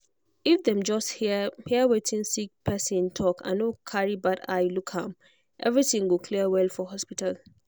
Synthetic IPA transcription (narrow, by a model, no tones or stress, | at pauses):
ifd̪ɛ̃md͡ʒɔsthhiəwetĩnsik̚pʰɛsĩntʰɔkʰã̰nokʰaɹibada̰jlukhãm | ʔɛ̰vɹitĩŋɡokʰliəwɛlfɔɦɔspital